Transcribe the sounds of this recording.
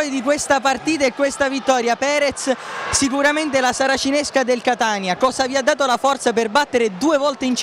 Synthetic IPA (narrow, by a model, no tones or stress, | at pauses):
jd̪ikwest̪apart̪iːt̪̬aekːwest̪avit̪ːɔːɾjapɛːɾɛt̪ssik̬uɾament̪̬elasaɾat͡ʃineskad̪elkat̪anjakɔːzaviad̪ːaːt̪olafɔrt̪sap̬erbat̪ːeɾed̪uːevɔlt̪eint͡ʃ